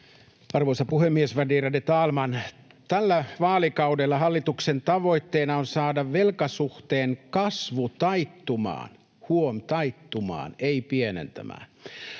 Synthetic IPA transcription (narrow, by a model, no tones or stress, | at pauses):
ɑrʋoisɑpuhemːiesʋædiːrɑdet̪ɑːlmɑn | t̪ælːæʋɑːlikɑudelːɑɦɑlːit̪uksent̪ɑʋo̞it̪ːeːnɑonsɑːdɑʋʋelkɑsuht̪eːŋkɑsʋut̪ɑit̪ːumɑ̰ːn | huomt̪ɑit̪ːumɑ̰ːneipienḛnt̪æ̰mæ̰ːn